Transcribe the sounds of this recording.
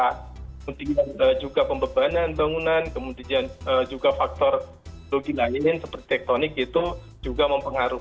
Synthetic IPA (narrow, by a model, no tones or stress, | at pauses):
amund̪ianəd͡ʒuɡapəmbəbananbaŋunankəmund̪ianəd͡ʒuɡafak̚t̪ɔr | loɡilaɪnsəpərt̪it̪ɛk̚t̪onɪkit̪u | d͡ʒuɡaməmpəŋaɾu